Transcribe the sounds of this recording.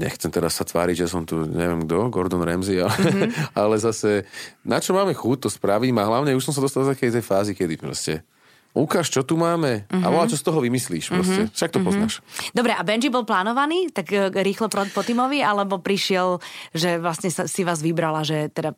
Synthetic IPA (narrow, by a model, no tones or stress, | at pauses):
ɲɛ̰xt͡sɛmt̪ɛɾasːat̪ʋa̰ːɾiɟʒjas̬ɔmt̪uɲɛ̰ʋjɛmɡ̚d̪ɔɡɔɾd̪ɔnɾɛmzialɛalɛzasɛnat͡ʃɔmaːmɛxut̪̚t̪ɔspɾaʋimaɦlaʊɲɛuʃs̬ɔms̬ad̪ɔst̪alaft̪akɛjt̪ɛjfaːzikɛd̪ipɾɔ̰scɛ | ukaːʃt͡ʃɔt̪umaːmɛa̰ʋɔlat͡ʃɔst̪ɔɦɔʋimisliːʃpɾɔscɛfʃak̚t̪ɔpɔznaːʃd̪ɔbɾɛʔabɛnd͡ʒibɔlplaːnɔʋaniːt̪aɡɾiːxlɔpɔt̪imɔʋialɛbɔpɾiʃɪɛlʒɛʋlasɲɛsasiʋaːzʋibɾalaʒɛt̪ɛd̪a